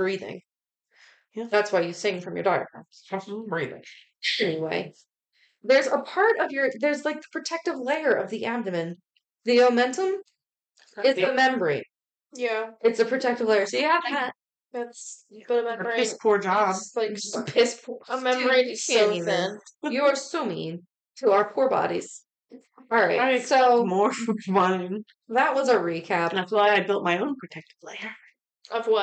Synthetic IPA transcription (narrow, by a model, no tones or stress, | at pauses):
b̥ɹiðɪ̰̃ŋ | ðætswaɪjɨsɪ̃ŋfɹʌ̃mjə̰˞daɪə̰˞kɹɑ̰̃sbɹiðɪ̰̃ŋ | ɛniwḛɪ | ðə˞zəpʰɑɹɾʌvjə˞ðə˞zlaɪk̚ðəpʰɹ̥ɨtʰɛk̚tɨvleɪə˞ʔʌ̰vðiʔæb̚dɨmɨ̃n | ðioʊmɛ̃ntə̃m | ɪzɨmɛ̃mbə˞ḭ | jæɨtsɨpʰɹ̥ɨtʰɛk̚tɨvleɪə˞soʊjɨvæt̚ | ðætsb̥ʌɾəɪspʰuɹd͡ʒɑblaɪ̥əpʰɪspʰəmɛ̃mə˞iiðɪ̃njɨə˞somḭ̃ŋ | tʰəaʊə˞pʰuɹbɑ̰ɾiz̥ | ɑɹaɪsoʊmɔɹfʌ̃ɪ̃n | ðət̚wʌzəɹikʰæpɨflaɪaɪbɪlˠt̚maɪõʊ̃npʰɹ̥ɨtʰɛk̚tɨ̥pʰl̥eɪə˞ | ʔʌvwʌ